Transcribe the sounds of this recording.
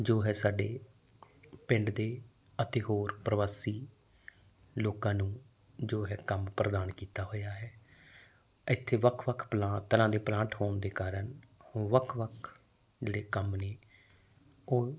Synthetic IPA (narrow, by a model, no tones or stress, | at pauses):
d͡ʒoːɦɛːsaːɖeː | pɪ̃ɳɖd̪eːət̪eːɦoːɾpɾəʋaːsiː | loːkãːnũː | d͡ʒoːɦɛːkəmpɾəd̪aːnkiːt̪aːɦoːjaːɦɛː | ɪt̪ʰːeːʋəkʰʋəkʰplãːt̪əɾãːd̪eːplãːʈhoːnd̪eːkaːɾənhʊːʋəkʰːʋəkʰ | d͡ʒeːɽeːkəmneː | oː